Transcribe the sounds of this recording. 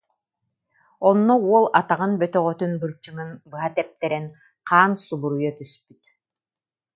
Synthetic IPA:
ɔnːɔuɔlˠat̪aʁɯnbœt̪œʁœt̪ynbɯɾt͡ʃɯŋɯnbɯɦat̪ɛp̚t̪ɛɾɛn | qʰaːnsubuɾujɔt̪yspyt̪

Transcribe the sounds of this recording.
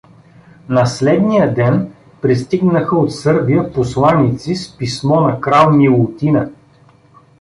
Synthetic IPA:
nɐslɛd̪nijəd̪ɛn | pɾist̪iɡnəxəot̪sɤɾbijəposlˠanit̪sispismɔnɐkɾalˠmilˠʊt̪inə

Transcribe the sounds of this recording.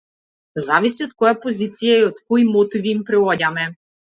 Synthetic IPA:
zavisiot̪̚kɔjapozit̪sijaiot̪kɔjmɔt̪iviːmpɾɛɔɟamɛ

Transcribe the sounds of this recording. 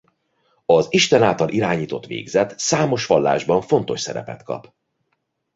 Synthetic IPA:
ɒziʃt̪ɛnaːlt̪ɒlʔiɾaːɲiːt̪o̞t̪ʋḛːɡzɛt̪saːmo̞ʃʋɒlːa̰ːʒbɒɱfo̞nt̪o̞ʃsɛɾɛ̰pɛ̰t̪kɒ̰p

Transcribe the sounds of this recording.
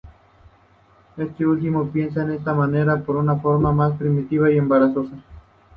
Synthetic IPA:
est̪eult̪̬imopje̞ns̬aenest̪amaneɾapoɾunafoɾmamaspɾimit̪iβaiembaɾasosa

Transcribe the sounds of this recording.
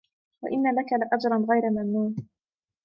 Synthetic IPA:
wa̰ʔɪnːalakalɪʔad͡ʒɾˤɑnɣajɾamamnuːn

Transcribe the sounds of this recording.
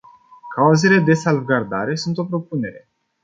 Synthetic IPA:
kauze̞le̞d̪e̞salvɡard̪aɾe̞sunt̪o̞pɾo̞pune̞ɾe̞

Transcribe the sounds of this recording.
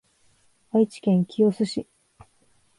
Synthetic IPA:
ait͡ɕi̥kẽ̞ŋkʲʰiosɨɕi

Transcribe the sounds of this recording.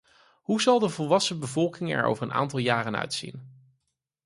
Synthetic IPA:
ɦuzɑlˠdəvɔlˠʋɑsəbəvɔlˠkɪŋɛ̰ɹo̰wvəɹəna̰ːntɑlˠjaːrənœ̰ɥtsḭn

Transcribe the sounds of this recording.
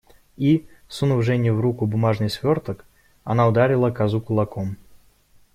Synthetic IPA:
isunuvʐɛnʲuvɾukubʊmaʐnɨjsʲvʲɔrt̪ək | a̰naʊd̪aɾʲilˠəkazukʊlˠakɔm

